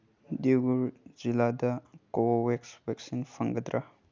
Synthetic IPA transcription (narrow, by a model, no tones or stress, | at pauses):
diɡuɾziladɐkowoweksbek̚sinpʰɐŋɡɐd̪ɾʔa